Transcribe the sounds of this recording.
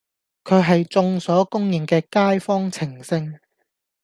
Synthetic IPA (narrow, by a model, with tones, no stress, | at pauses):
kʰɵ˨˧ɥɦɐ˨jt͡sʊ˧ŋsɔː˨˥kʊ˥ŋjɪ˨ŋkɛː˧kaː˥jfɔː˥ŋt͡sʰɪ˨˩ŋsɪ˧ŋ